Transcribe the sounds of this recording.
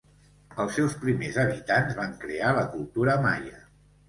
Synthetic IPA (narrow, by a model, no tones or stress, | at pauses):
əlˠsːɛwspɾimezəβ̞it̪anzβaŋkɾealəkulˠt̪uɾəma̰jə